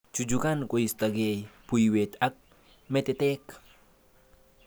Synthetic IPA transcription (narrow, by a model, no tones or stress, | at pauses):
t͡ʃud͡ʒukankoist̪aɡejpujwet̪ak̚ | mɛt̪ɛt̪ɛk